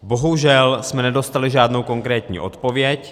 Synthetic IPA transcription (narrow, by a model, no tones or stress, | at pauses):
bo̞ɦuʒɛlsmɛnɛdo̞st̪alɪʒaːdnowko̞ŋkɾɛːt̪ɲḭːʔo̞̰t̪po̞vjɛc